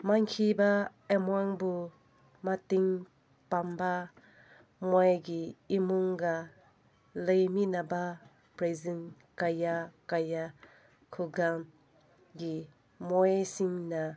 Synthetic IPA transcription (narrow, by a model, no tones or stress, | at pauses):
maŋkʰibaemwaŋbu | matiŋ | pamba | mɔjɡiimuŋɡa | lɯjminaba | pɾezin | kajakaja | kʰuɡam | ɡi | mɔjsiŋna